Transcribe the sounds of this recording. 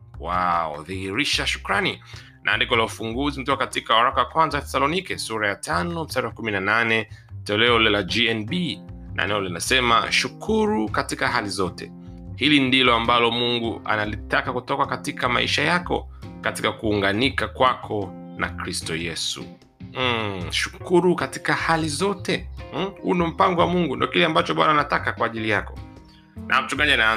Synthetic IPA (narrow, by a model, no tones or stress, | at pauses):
waɔ̰ðihiɾiʃaʃu̥kɾani | nʔa̰ːndikɔlaufuŋɡuzim̩tɔkakatikawaɾakawakwanzawaθɛ̥salɔnikɛsuɾajatanɔm̩saɾawakuminananɛtɛlɛɔlɛlad͡ʒiɛnbinʔa̰nɛɔlinasɛma̰ʃukʰuɾukatikaɦalizɔtɛ̰ | hilindilɔambalɔmuŋɡuʔa̰nalitakakutɔkakatikama̰ḭʃajakɔ̰ | katikakuːŋɡanikakwakʰɔ | na̰kɾistɔjɛsṵ | ʃu̥kuɾukati̥kahalizɔtɛhṵnɔm̩paŋɡɔwamuŋɡundiɔkilɛambat͡ʃɔɓanaːnatakakwaːʄilijakɔ̥ | nʔa̰m̩t͡ʃuŋɡaɲana